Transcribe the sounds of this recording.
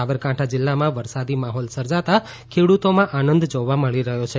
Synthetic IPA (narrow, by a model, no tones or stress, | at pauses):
aʋəɾkãʈʰad͡ʒɪlːamãʋəɾsad̪imaɦɔlsəɾd͡ʒat̪a | kʰeɽut̪omãʔanənd̪d͡ʒoʋaməɭiɾəɦjot͡ʃʰe